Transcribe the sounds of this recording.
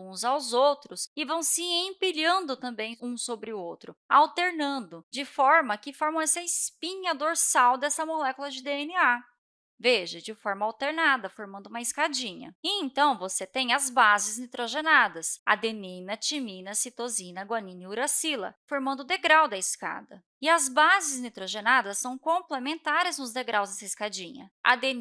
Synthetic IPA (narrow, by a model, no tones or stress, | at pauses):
ũzawzowt̪ɾʊsɪvɐ̃w̃sɪẽpiʎɐ̃nd̪ʊt̪ɐ̃mbẽj̃ũsobɾɪʊowt̪ɾʊawt̪eɾnɐ̃nd̪ʊd͡ʒɪfɔɾmɐkɪfɔɾmɐ̃w̃ɛsɐɪspĩɲɐd̪oɾsawd̪ɛsɐmolɛkulɐd͡ʒɪd̪eenɪa | veʒɐd͡ʒɪfɔɾmɐawt̪eɾnad̪ɐfoɾmɐ̃nd̪ʊũmɐiskad͡ʒĩɲɐ̰ɪẽnt̪ɐ̃w̃voset̪ẽj̃ɐzbazɪznit̪ɾoʒenad̪ɐsa̰d̪enĩnɐt͡ʃimĩnɐsit̪ozĩnɐɡwɐnĩniuɾɐsilɐ̰foɾmɐ̃nd̪ʊd̪eɡɾawd̪ɐiska̰d̪ɐ | ɪɐzbazɪznit̪ɾoʒenad̪ɐsːɐ̃w̃kõplemẽnt̪aɾɪznʊzd̪eɡɾawzd̪ɛsɐiskad͡ʒĩɲɐ̰ʔa̰d̪en